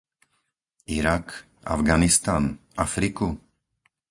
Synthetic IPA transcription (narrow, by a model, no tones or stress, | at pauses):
iɾak | a̰vɡanist̪anafɾiku